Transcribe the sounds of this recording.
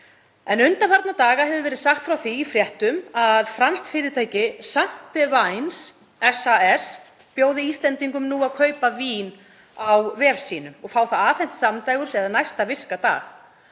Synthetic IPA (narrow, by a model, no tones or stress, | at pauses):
ɛnʏnt̪afaɾt̪nat̪aːɣahɛvðʏvɛːɾɪðsaxt̪fɾawθiːfɾjɛht̪ʏmaðfɾanst̪fɪːɾɪt̪ʰaːjcɪsam̥t̪ɪvajns | ɛsaɛs | pjoːwðɪist̪lɛnt̪iŋkʏmnuːaðkʰœːɥpaviːn | awvɛːɾsiːnʏɔɣfaːwθaðaːfɛn̥t̪samt̪aːjɣʏ̥sɛðanajst̪avɪr̥kat̪a̰ːɣ